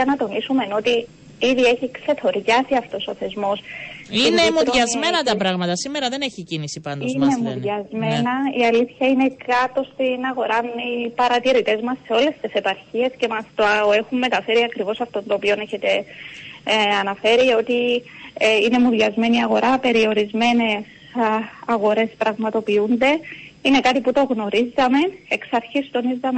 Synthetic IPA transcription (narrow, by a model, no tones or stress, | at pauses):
ɐnɐt̪o̞nisume̞no̞t̪i | iðie̞çikse̞t̪ʰo̞ɾʝɐsiɐft̪o̞so̞θe̞zmo̞siinemuðʝɐzmenɐt̪ɐpɾɐɣmɐt̪ɐsimeɾɐðe̞neçicinisipɐndoinemuðʝɐzme̞nɐiɐliθçɐine̞kɐt̪o̞st̪inɐɣo̞ɾɐnipɐɾɐt̪iɾit̪e̞zmɐsːe̞o̞le̞st̪ese̞pɐɾçie̞sce̞mɐst̪oe̞xumːe̞t̪ɐfe̞ɾiɐkɾivo̞sɐft̪o̞nt̪oːpio̞neçe̞t̪e̞ | ɐnɐfe̞ɾio̞t̪i | ine̞muðʝɐzme̞niɐɣo̞ɾʔɐpe̞ɾio̞ɾizme̞ne̞s | ɐɣo̞ɾe̞spɾɐɣmɐt̪o̞piund̪e̞ine̞kɐt̪iput̪o̞ɣno̞ɾizːɐme̞ne̞ksɐɾçist̪o̞nizːɐme